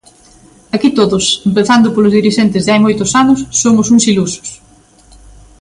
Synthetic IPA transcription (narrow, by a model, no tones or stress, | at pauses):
akit̪oðʊsempeθand̪ʊpolʊzðiɾiʃent̪ɪzðɪajmojt̪ʊsanʊsːomʊsuŋsilusʊ̥s